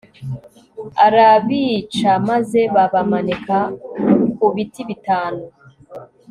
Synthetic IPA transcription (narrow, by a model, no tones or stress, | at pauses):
aɾaβiːt͡ʃamaze̞βaβamaneka | kuβitiβitaːnu